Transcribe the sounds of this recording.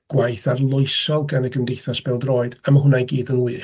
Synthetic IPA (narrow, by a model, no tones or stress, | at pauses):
ɡ̥wajθarlˠʊɨsɔlˠɡanəɡəmdejθasb̥ɛlˠdroːɨd̥amaɦʊnajɡiːdənwɨː